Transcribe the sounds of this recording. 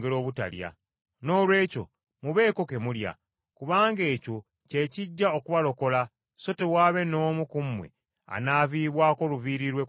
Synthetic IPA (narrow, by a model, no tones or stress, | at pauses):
eɾo̞ːβuta̰lja̰ | no̞ːlwe̞ːco̞̰ | muβe̞ːko̞ke̞mulja̰ | kuβaːŋɡe̞ːco | ce̞ːciɟːaokuβalo̞ko̞la | so̞tewaːβe̞no̞ːmukumwe̞̰ | a̰naːviːβwaːko̞luviːɾiɾwe